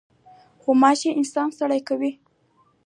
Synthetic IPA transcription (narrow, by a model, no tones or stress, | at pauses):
xomɑʃeɪnsɑnsaɽajkawi